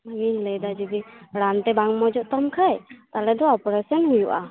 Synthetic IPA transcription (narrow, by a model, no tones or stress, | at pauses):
winləjd̪ad͡ʒid̪iɽant̪ɛbaŋmɔd͡ʒɔʔt̪ɔmkʰajt̪alɛd̪ɔɔpɾesɔnɦujuʔa